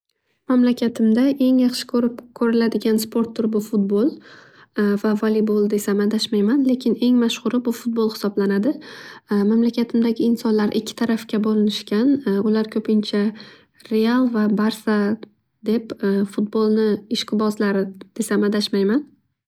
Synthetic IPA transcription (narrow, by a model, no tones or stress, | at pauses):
mamlakʲʰat̪ʰɪmd̪aʔe̞ŋjɑχʃɪ̥kʰʲɵɾɪp̚kʲʰɵɾɪlad̪ɪɡʲanspʰo̞ɾt̪ʰːʊɾbʊfʊt̪̚bolˠ | vavalˠibolˠd̪e̞samad̪aʃmajmanle̞kʲʰɪne̞ŋmaʃχʊɾɪbʊfuʊt̪̚bolˠhɪ̥sɒblanad̪ɪmamlakʲʰat̪ʰɪmd̪aɡʲɪɪnsɒnlaɾʔɪkʲʰːɪ̥t̪ʰaɾafkʲabolɪnɪʃkʲanʊlaɾkʲʰɵpʰɪnt͡ʃʰa | ɾe̞alˠvabaɾsa | d̪e̞pfʊt̪̚bolˠnɪɪʃqʰɨbɒzlaɾɪd̪̥e̞samad̪aʃmajman